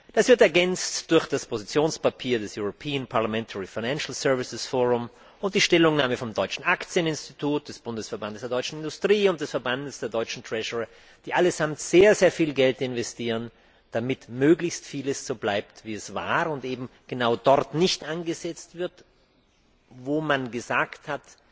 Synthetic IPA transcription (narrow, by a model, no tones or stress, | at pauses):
d̥asv̥ɪɐtɛɐɡɛnt͡std̥ʊɐçd̥aspʰozit͡sjoːnspapʰiːɐdɛsjʊʁopʰiːənpʰaɐlamɛntʰəʁifaɪnɛnʃl̩sœɐvɪsɪsfoːʁʊm | ʊnt̚d̥iːʃtɛlʊŋnaːməfɔmdɔʏt͡ʃn̩ʔakt͡sjənɪnstitʰuːt̚d̥ɛsb̥ʊndəsfɛɐbandəsd̥eɐdɔʏt͡ʃn̩ɪndʊstʁ̥iːʊnt̚d̥ɛsfɛɐbandəsd̥eːɐdɔʏt͡ʃn̩tʁ̥ɛʃɔʁə | d̥iːʔaləzamtz̥eːɐzeːɐfiːlɡɛltɪnvɛstʰiːʁən | d̥amɪtmøːɡlɪçstfiːləsz̥oːblaɪp̚tv̥iːɛsv̥a̰ːʁʊntʔeːbm̩ɡ̥ənaʊdɔʁtnɪçtʔanɡəzɛt͡stv̥ɪɐt | voːmanɡəzaːkthat